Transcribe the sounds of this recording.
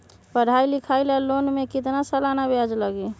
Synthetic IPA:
pəɽ̤ailikʰajlalonmekit̪nasəlanabad͡ʒləɡi

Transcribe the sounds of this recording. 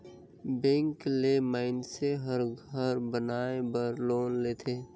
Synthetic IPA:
bẽːŋklemaːɪnseɦəɾɡʱəɾbənaːebəɾloːnleːt̪ʰeː

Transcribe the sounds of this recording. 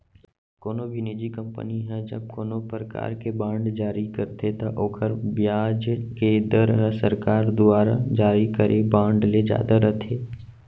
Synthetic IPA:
koːnobʱinid͡ʒikɐ̃mpə̰niɦɛ̃d͡ʒəb̚koːnopɾəka̰ːɾkebãːɳɖd͡ʒaːɾikəɾt̪ʰet̪aʔoːkʰəɾbjaːd͡ʒked̪əɾəsəɾkaːɾd̪ʊaːɾa̰d͡ʒaːɾikəɾʔebãːɳɖled͡ʒja̰ːd̪aɾət̪ʰeː

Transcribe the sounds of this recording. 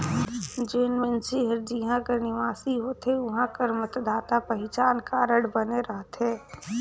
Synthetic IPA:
d͡ʒeːnmẽnsiɦəɾd͡ʒiɦãkəɾnɪʋaːsiɦoːt̪eʊɦãkəɾmət̪d̪aːt̪apɐɦɪt͡ʃaːnkaɾəɽbəneɾəɦt̪ɛː

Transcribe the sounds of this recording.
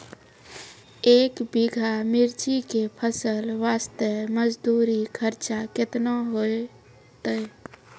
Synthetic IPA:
eːkbiɡʱamiɾt͡ʃikepʰəsəlʋast̪əməd͡ʒd̪uɾikʰəɾt͡ʃaket̪naɦoe | t̪əj

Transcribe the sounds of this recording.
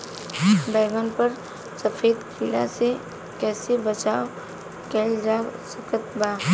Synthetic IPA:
bɛːɡənpəɾ | səfʰeːd̪kʰɪla̰se | kɛːsebət͡ʃaːo | kɛːld͡ʒaːsəkət̪baː

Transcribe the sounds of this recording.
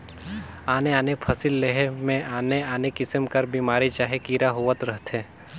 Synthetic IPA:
aːneaːnepʰɐsɪlːeɦmẽaːneaːnekɪsəmkɐɾbiːmaːɾit͡ʃaːɦekiːɾaɦuːət̪ɾəɦt̪ʰeː

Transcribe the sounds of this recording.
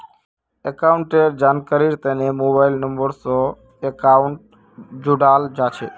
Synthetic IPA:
ekaːʊɳʈeɾd͡ʒaːnkəɾiɾt̪ənemoːbaːɪlnəmbəɾsɔ | ekaʊɳʈ̚ | d͡ʒʊɖaːld͡ʒaːt͡ʃʰeː

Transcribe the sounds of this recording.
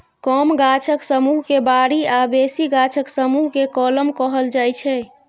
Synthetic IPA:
kɔːmɡat͡ʃʰəksəmuɦkebaːɽiabesiɡat͡ʃʰəksəmuɦkekɔləmkɔɦəld͡ʒaːjt͡ʃʰɛ

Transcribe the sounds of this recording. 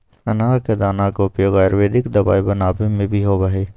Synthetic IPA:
ɐnaːɾked̪aːnakoʊpjoːɡaːjəɾʋeːd̪ɪkd̪ɐba̰ːibɐnaːbemẽbʱiɦobɐɦeː

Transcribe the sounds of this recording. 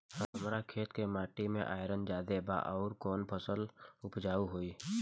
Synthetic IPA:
həəmɾakʰeːt̪kemaːʈimḛ̃ʔaːɪɾənd͡ʒaːd̪eba̰ʔɔːɾkɔːnpʰəsəlʊpd͡ʒaːuɦoiː

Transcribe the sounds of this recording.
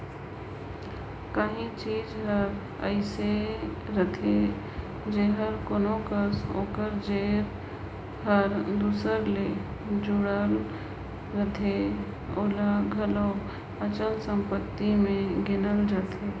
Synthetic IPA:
kaɦĩt͡ʃiːd͡ʒɦəɾ | ə̰ɪseɾət̪ʰe | d͡ʒeɦəɾkoːnokəso̰ːkəɾd͡ʒeːɾ | ɦəɾd̪uːsəɾled͡ʒʊɽəlː | ət̪ʰe | oːlaɡʱəlo | ət͡ʃəlsə̃mpət̪ːimẽɡɪnəld͡ʒaːt̪ʰeː

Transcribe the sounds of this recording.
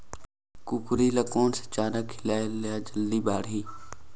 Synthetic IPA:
kʊkɾiːləkoːnse̥t͡ʃaːnəkʰɪlaːeljaːd͡ʒəlːiːbaːɽɦiː

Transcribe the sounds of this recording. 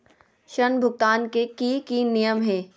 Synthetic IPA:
ʃənbʱʊɡ̚t̪aːnkekikinijəmɦɛ̃ː

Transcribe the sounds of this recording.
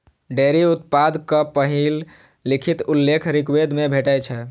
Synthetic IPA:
ɖeɾiut̪̚pad̪ʱkəpəɦilː | ikʰit̪ulːekʰɾikwed̪ʱmebʱeʈəjt͡ʃʰɛ

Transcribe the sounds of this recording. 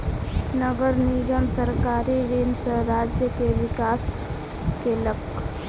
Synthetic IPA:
nəɡəɾniɡəmsəɾkaɾiɾinsəɾad͡ʒjəkeʋikas | kelək

